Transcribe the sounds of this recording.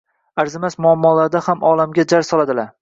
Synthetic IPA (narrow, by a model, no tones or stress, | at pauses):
aɾzɪmasmʊamːɒlaɾd̪ahamɒlamɡʲad͡ʒaɾsɒlˠad̪ɪlaɾ